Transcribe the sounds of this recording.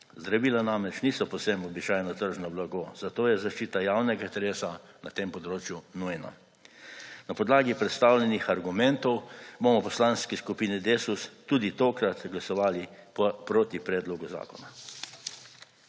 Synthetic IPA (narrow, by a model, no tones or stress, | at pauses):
zd̪ɾaʋiːlanamɾɛt͡ʃniːsɔpɔwsɛmɔbit͡ʃajnɔt̪əɾʒnɔblaɡoːzat̪oːjɛzaʃt͡ʃiːt̪ajawnɛɡat̪ɾeːsa | nat̪empɔd̪ɾoːt͡ʃjunujna̰ | napɔd̪laːɡipɾɛt̪st̪aːwlʲɛnixaɾɡumɛnt̪ɔwbomɔpɔslaːnskɛskupiːnɛd̪eːsust̪uːd̪it̪oːkɾat̪ɡlasɔʋaːlippɾoːt̪ipɾɛd̪loɡuza̰ːkɔna